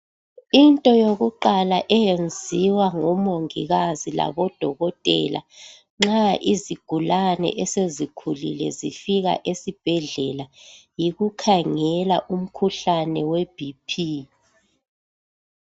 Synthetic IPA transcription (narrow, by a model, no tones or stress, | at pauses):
intʼɔjoɣuǃalaʔɛjend͡zʱiwaŋɔmoŋḭɣazila̰βɔd̥ʱɔɣɔtʼɛ̰la̰ | ŋ͡ǁaʔiziɡ̥ʱulanɛ̰ʔɛsezikʰulḭlɛ̰zifiɣa̰ʔesib̥ʱɛɮɛlajiɣukʰaŋɛla̰ʔum̩kʰuɬanɛweb̥ʱipʰi